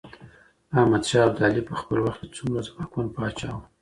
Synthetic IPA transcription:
ahmad̪ʃɑːbd̪ɑlipəxpəlwaxt̪ət͡sumɾazmakwanpəɑt͡ʃɑw

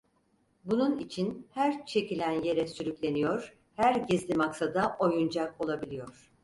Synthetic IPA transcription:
bununit͡ʃʰinhæɾt͡ʃʰe̞cilʲænje̞ɾɛsyɾycʲlʲe̞nijoɾ̥ | hæɾɟizlʲimaksad̪aʔo̞jund͡ʒako̞lˠabilʲijo̞ɾ̥

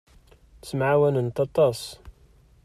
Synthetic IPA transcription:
smʕawænənt̪ɑt̪ˤːɑsˤ

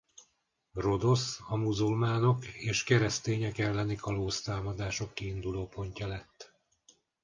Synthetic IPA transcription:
ro̞d̪o̞sɒmuzulmaːno̞keːʃkɛɾɛst̪eːɲɛkɛlːɛnikɒloːst̪aːmɒd̪aːʃo̞kːiːnd̪uloːpo̞ɲcɒlɛt̪ː

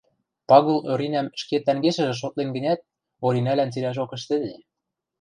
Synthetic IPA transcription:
pɑɣuløɾinæmʃket̪ːæŋɡeʃɘ̆ʒɘ̆ʃ̬ot̪̚lenɡə̆nʲæt̪̚ | oɾinælænt͡silæʒokə̆ʃt̪ɘ̆d̪e

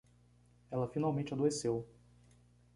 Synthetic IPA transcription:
ɛlɐfinawmẽnt͡ʃɪad̪oesew

